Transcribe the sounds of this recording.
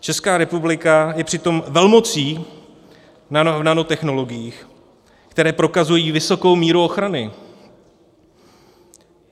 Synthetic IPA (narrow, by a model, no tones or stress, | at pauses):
t͡ʃɛskaːɾɛpublɪkajɛpr̥ɪt̪o̞mvɛlmo̞t͡siː | navnanot̪ɛxno̞lo̞ɡɪjiːx | kt̪ɛɾɛːpɾo̞kazujiːvɪso̞ko̞wmiːɾuoxɾanɪ